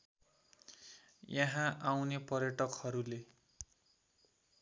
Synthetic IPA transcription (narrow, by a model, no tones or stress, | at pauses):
jʌɦãʔawnepʌrjʌʈʌkhʌɾule